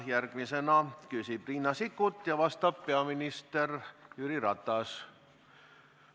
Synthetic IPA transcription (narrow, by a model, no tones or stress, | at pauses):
jærkmisenɑkysipriːnːɑsikut̪jɑʋɑst̪ɑppeɑminist̪erjyɾirɑt̪ˑɑs